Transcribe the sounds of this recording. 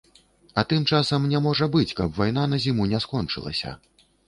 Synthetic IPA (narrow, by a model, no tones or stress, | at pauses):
ɐt̪ɨmt͡ʂasɐmnʲɛmɔʐɐbɨt͡sʲkɐbvajn̪anɐzʲimunʲɛskɔnt͡ʂɨ̰lˠɐ̰sʲɐ̰